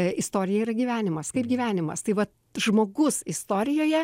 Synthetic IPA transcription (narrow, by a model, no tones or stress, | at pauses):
ɪst̪oːɾʲɪjɛiɾɐɡʲiːʋʲæːnʲɪmɐskɐɪp̚ɡʲiːʋʲæːnʲɪmɐ̰st̪ɐɪʋɐt̪ | ʒmoːɡʊsɪst̪oːɾʲɪjoːjɛ